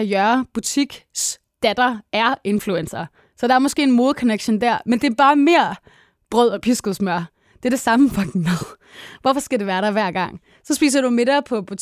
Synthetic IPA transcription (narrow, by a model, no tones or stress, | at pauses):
æjœɐb̥ut͡sʰiɡ̥s | d̥æd̥ɐæɐe̝nfluensɐ | sɒ̽d̥ɑ̈æɐmɒ̽sɡ̥e̝̰ːenmo̝ːðˠkʰɒ̽neɡ̥ɕond̥æɐ̰mend̥e̝ɐb̥ɑ̈ːme̝ɐ̰ | b̥ʁœð̞̰ˠɒ̽pʰisɡ̥oð̩ˠsmɶɐ̰ | d̥e̝ɐd̥e̝sɑ̈məfɑɡ̥næðˠ | ʋɒfɒ̽sɡ̥æde̝ʋæːɐɾɑ̈ɪʋæɐ̰ɡ̥ɑ̈ŋ̰ | sɒ̽sb̥ḭːs̬ɐɾ̥ume̝ɾ̥ɐpʰɒ̽b̥ut͡sʰ